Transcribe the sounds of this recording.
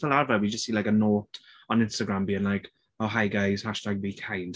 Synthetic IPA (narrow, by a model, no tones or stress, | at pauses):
əlaɹvəwid͡ʒʌstsiːlaɪkənɔːˑt | ə̃nɪ̃nstəɡɹãmbiːɪ̃nlaɪk | oʊɦaɪɡaɪz̥haʃtaɡ̚bikʰãɪ̃nd̥